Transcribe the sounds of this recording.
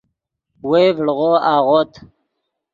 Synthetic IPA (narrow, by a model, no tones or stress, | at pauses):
wevɽʁoːaːʁoːt̪